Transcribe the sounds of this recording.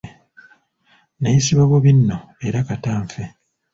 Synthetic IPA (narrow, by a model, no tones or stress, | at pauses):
najisiβaβoβinːo | e̞ɾakataːɱfe